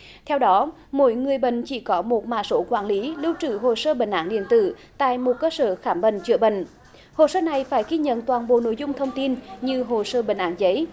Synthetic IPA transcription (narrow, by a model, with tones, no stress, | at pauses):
t̪ʰɛ˧wɗɔ˨˦ | mo̰˧˦jŋɨ˨˩əjɓə̰˧˨ŋ̟t͡ɕi˧˩kɔ˨˦mo˨˩t̚ma̰ː˧˨so˨˦kwaː˧˩nli˨˦lɨ˧wt͡ɕɨ˧˩ɦo˨˩səː˧ɓə˧˩ŋʔaː˧˥ŋɗḭ˧˨ənt̪ɨ̰˧˨ | t̪a̰ː˧˨jmo˨˩t̚kəː˧səː˧˩xaː˧˩mɓə̰˧˨ŋ̟t͡ɕɨ̰˧˩əɓə̰˧˨ŋ̟ | ho˨˩səː˧na˨˩jfaː˧˩jɣi˧ɲə̰˧˨nt̪waː˨˩nɓo̰˧˨no̰˧˥jzʊ˧ŋ͡mt̪ʰə˧wŋ͡mt̪i˧nɲɨ˧ɦo˨˩səː˧ɓə˧˩ŋ̟ʔaː˧˩˥nzə˨˦j